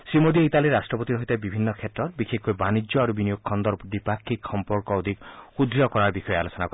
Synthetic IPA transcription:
simod̪ieit̪aliɾasʈɾɔpɔt̪iɾɔɦit̪aebibʱinːɔkʰjet̪ɾɔɾbikʰekʰojbanid͡ʒjɔaɾubinijokʰɔnd̪ɔɾd̪ipakʰːikxɔmpɔɾkɔod̪ʱikxud̪ɾijɔkɔɾaɾbixɔjealosɔnakɔ

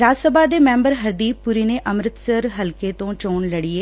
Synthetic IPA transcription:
ɾaːd͡ʒsəbaːd̪eːmɛ̃ːmbəɾɦəɾd̪iːppuɾiːneːʔəmɾət̪səɾɦəlkeːt̪õːt͡ʃoːɳləɽiːeː

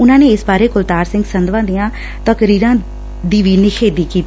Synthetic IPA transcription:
ʊnãːneːɪsbaːɾeːkʊlt̪aːɾsɪ̃ŋɡsənd̪ʋãːd̪ijãː | t̪əkɾiːɾãː | d̪iːʋiːneːkʰeːd̪iːkiːt̪i

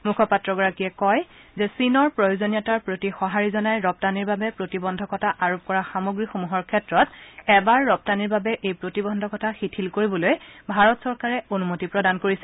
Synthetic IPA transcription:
mukʰɔpatɹɔɡɔɹakiɛkɔj | zɛsinɔɹpɹojozonijɔtaɹpɹotixɔɦaɹizɔnajɹɔp̚taniɹbabɛpɹotibɔndʱɔkɔtʰaʔaɹop̚kɔɹaxamoɡɹixomuɦɔɹkʰɛtɹɔtɛbaɹːɔp̚taniɹbabɛʔejpɹotibɔndʱɔkɔtʰaxitʰilkoɹibɔlojbʱaɹɔtsɔɹkaɹɛonumotipɹɔdankoɹisɛ

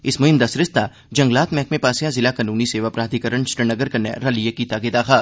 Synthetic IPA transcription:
ɪsmʊɦɪmd̪asɾɪst̪a | d͡ʒɐ̃ŋɡlaːt̪mɛːk̚mẽpaːsɪjazɪlakanuːniseːʋaːpɾaːd̪ʱikəɾəɳʃʈənɐɡəɾkɐnḛɾalijekit̪aːɡɪd̪aːxaː

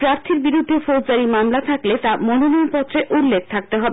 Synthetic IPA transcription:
pɾaɾt̪ʰiɾbiɾud̪ʱːefod͡ʑaɾimamlat̪ʰaklet̪amononinpɔt̪ːɾeʔulːek̚ʰt̪ʰak̚t̪eɦɔbe

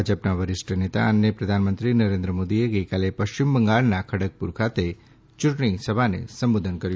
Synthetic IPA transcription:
ad͡ʒəpnaʋəɾɪʃʈʰənet̪a̰ənːjəpɾəd̪ʱanmənt̪ɾinəɾẽnd̪ɾəmod̪ieɡəjkalepəʃt͡ʃimbəŋɡaɭnakʰəɽək̚pṵɾkʰat̪e | t͡ʃʊʈɽ̃isəbʱanḛsəmbud̪ʱənkəɾju

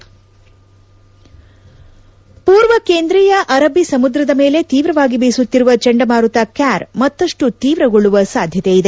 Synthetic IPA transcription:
puːɾʋɐkeːnd̪ɾiːjɐʔɐɾɐbʱisɐmud̪ɾɐd̪ɐme̞ːle̞t̪iːʋɾɐʋaːɡibeːsut̪ːiɾuʋɐt͡ʃeɳɖɐmaːɾut̪ɐkaːɾmɐt̪ːɐʂʈut̪iːʋɾɐɡoɭuʋɐsaːd̪ʱjɐt̪ejid̪e̞

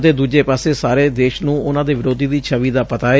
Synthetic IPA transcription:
d̪eːd̪uːd͡ʒeːpaːseːsaːɾeːd̪eːʃnũːʊnãːd̪eːʋɪɾoːd̪iːd̪iːt͡ʃʰəʋiːd̪aːpət̪aːe

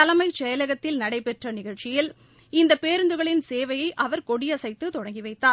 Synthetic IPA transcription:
ɐlɐmɐɪt͡ʃɛjɐlɐɣɐt̪ːɪlnɐɽɐɪpɛʈrɐnɪɣɐɻt͡ʃɪjɪl | ɪnd̪ɐpeːɾɯnd̪ɯɣɐɭɪnseːʋɐjɐɪʔɐʋɐɾkɔɽɪjɐsɐɪt̪ːɯt̪ɔɽɐŋɡɪʋɐɪt̪ːaː

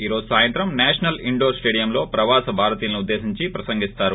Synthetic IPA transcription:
iːɾoːzusaːjɐnt̪ɾɐmnɛːʂɐnɐliɳɖoːɾsʈeːɖijɐmlo̞ːpɾɐʋaːsɐbʱaːɾɐt̪iːlɐniud̪ːe̞ːsiɲt͡ʃipɾɐsɐŋɡist̪aːɾu

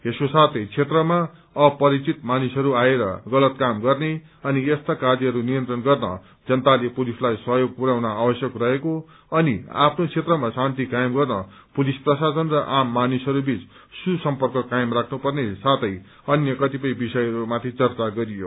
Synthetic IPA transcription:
eskosat̪ʰʌjt͡sʰet̪rʌma | ʌpʌɾit͡sit̪manisɦʌɾuaeɾʌ̰ɡʌlʌt̪kamɡʌrne | ʌniest̪akad͡ziɦʌɾunijʌnt̪rʌnɡʌrnʌ̰ | d͡zʌnt̪alepolislajsʌɦjoɡ̚puɾaw̃naabʌsjʌkrʌɦeko | ʌnḭa̰pʰnot͡sʰet̪rʌmasant̪ikaemɡʌrnʌ | polisprʌsasʌnrʌʔamːanisɦʌɾubit͡s | susʌmpʌrkʌkaemrakʰnupʌrnesat̪ʰʌj | ʌnjʌkʌt̪ipʌjbisʌjʌɾumat̪ʰit͡sʌrt͡saɡʌɾijo̰

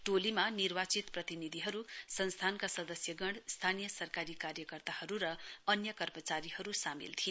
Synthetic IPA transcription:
ʈolimanirbat͡sit̪prʌt̪inid̪ʱiɦʌɾusʌnst̪ʰankasʌd̪ʌsjʌɡʌɳɽst̪ʰanijʌsʌrkaɾikaɾjʌkʌrt̪ahʌɾuɾʌʌnjʌkʌrmʌt͡saɾihʌɾusamḭlt̪ʰie

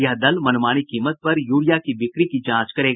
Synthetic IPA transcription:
jɐɦd̪ɐlmɐnmaːñikiːmət̪̚pɐɾjuːɽijakibɪkɾikid͡ʒãːt͡ʃkɐɾeːɡ

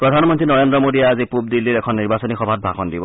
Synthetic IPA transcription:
pɹɔdʱanmɔntɹinɔɹendɹɔmodijaazipub̚dilːiɹɛkʰɔnːiɹbasɔnixɔbʱat̚bʱakɔndibɔ

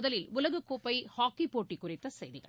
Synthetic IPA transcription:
ðɐlɪlʊlɐɣɯkːoːpːɐɪhaːkːipoːʈːikːʊrɪt̪ːɐsɛjðɪɣɐ̰ɭ

